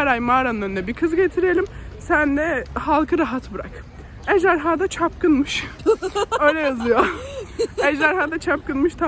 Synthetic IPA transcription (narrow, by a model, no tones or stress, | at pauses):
æɾajmaːɾanɯnand̪ɛbiɾkʰɯzɟet̪ʰiɾeelʲimsænd̪ɛhalˠkʰɯɾaɦat̪buɾa̰k | ɛʒaɾɦaːd̪at͡ʃʰap̚kɯnmɯʃ | ø̞jlʲɛjazɯjo | ɛʒaɾɦaːd̪at͡ʃʰap̚kɯnmɯʃt̪ʰa